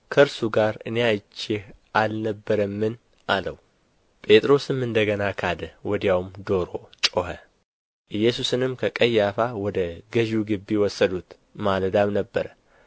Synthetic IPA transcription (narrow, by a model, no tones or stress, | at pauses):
kʰəɨɾsuɡaɾɨnejajt͡ʃːehʔalnəbːəɾəmːɨn | ʔaləw | pʼe̞t̪ʼɾo̞sɨmɨnd̪əɡənakʰad̪əwɔd̪jawmd̪o̞ɾo̞t͡ʃʼohə | ʔɨjːɛsusɨnɨmkʰəkʼəjːafawɔd̪əɡəʒuɡɨbːiwɔsːəd̪ut̪ | mald̪amnəbːəɾə